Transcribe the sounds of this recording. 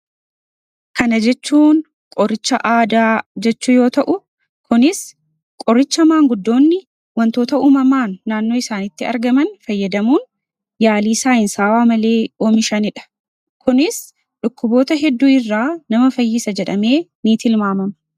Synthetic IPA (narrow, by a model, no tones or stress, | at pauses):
kɐnɐd͡ʒɛt͡ʃːuːn | kʼɔrɪt͡ʃːɐʔaːd̪aːd͡ʒɛt͡ʃːuːjo̞ːt̪ɐʔʊ | kʊnɪs | kʼɔɾɪt͡ʃːɐmaːŋɡʊd̪ːo̞ːnːɪ | wɐnt̪o̞ːt̪ɐuːmɐmaːnːaːnːo̞ːɪsaːnɪt̪ːɪɐ̰ɾɡɐmɐnfɐjːɐd̪ɐmuːn | jaːliːsaːɪnsaːwaːmɐle̞ːoːmɪʃɐnɪᶑɐ̥ | kʊnɪs | ᶑʊkːʊbo̞ːt̪ɐɦɛd̪ːuːɪrːaːnɐmɐfɐjːɪsɐd͡ʒɛᶑɐme̞ːniːt̪ɪlmaːmɐmɐ